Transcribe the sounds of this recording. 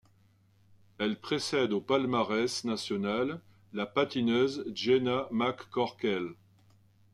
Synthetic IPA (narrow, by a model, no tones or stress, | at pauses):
ɛlpχesɛd̪opalmaʁɛsnasjɔnalː | apat̪inøzʒenamakːɔʁkʲɛl